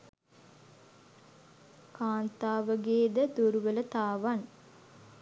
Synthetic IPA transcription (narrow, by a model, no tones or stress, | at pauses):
kaːnt̪aːʋəɡeːd̪əd̪uɾuʋələt̪aːʋan